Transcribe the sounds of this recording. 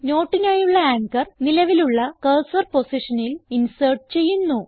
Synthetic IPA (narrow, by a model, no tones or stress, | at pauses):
no̞ːʈːinaːjuɭːɐaːŋkɐrnilɐʋiluɭːɐkɐlsɐrpo̞siʂɐnilinserʈ̚ɨt͡ɕe̞jːunːu